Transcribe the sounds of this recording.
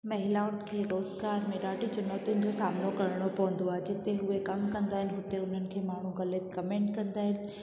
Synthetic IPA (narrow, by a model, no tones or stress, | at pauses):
mɐɦɪlaːʊʈkʰeːɾoːzɡaːɾmeɖaːʈit͡ɕʊnoːt̪ijʊnɪ̆d͡ʑosaːmnokɐɾɽ̃opɐʋə̃n̆d̪oaːɦed͡ʑɪt̪eɦʊekɐmkɐ̃nd̪aːɦɪnɪ̆ɦʊt̪eʊn̤ənɪ̆kʰeːmaːɳ̤ũɣɐlət̪̚kɐmẽːɳʈkɐ̃nd̪aːɦɪnɪ̆